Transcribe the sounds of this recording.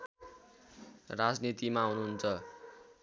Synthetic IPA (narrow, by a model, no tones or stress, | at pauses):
rad͡znit̪imaɦunuɦunt͡sʰʌ